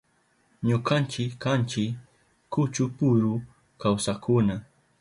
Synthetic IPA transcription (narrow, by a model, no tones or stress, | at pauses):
ɲokant͡ʃɪkːant͡ʃɪ | kʊt͡ʃʊpʊɾʊ | kawsakʊna